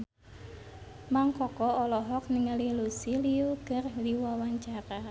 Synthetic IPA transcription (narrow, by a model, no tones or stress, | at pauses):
maŋkɔkɔɔlɔɦɔk̚niŋalilusiliukərdiwawaɲt͡ʃaɾa